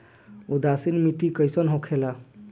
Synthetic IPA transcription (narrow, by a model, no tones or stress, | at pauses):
ud̪asinmiʈikəjsɔnɦõkʰela